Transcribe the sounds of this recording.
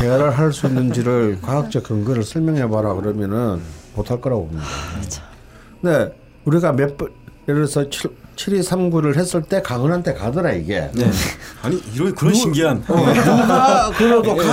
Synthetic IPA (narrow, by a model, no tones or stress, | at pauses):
t͡ɕeaɾɯɭɦaɭs͈uinːɯnd͡ʑiɾɯɭkwak̚t͡ɕ͈ekɯŋɡɯɾɯɭsʰʌɭmjʌŋɦebaɾakɯɾʌmjʌnɯnmotʰaɭk͈ɯɾabomɲida | kɯɯnde̞ | uɾiɡamepeɾɯesʰʌt͡ɕʰiɾisʰamɡuɾɯɭɦe̞s͈ɯɭt͈e̞kaŋɯnɦantʰe̞kadɯɾaiɡḛ | aɲiiɾokɯɕʰimɡian | akɯɾodok